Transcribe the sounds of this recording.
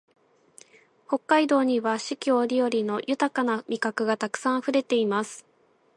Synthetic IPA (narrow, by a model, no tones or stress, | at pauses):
ho̞kːaid̪o̞ːɲ̟iβaɕɨkʲoːɾʲijo̞ɾʲino̞jʔɯ̟t̪akanamʲikakɯ̟ɡat̪akɯ̟̥sãɰ̃ɸɯ̟ɾe̞t̪e̞imasɨ̥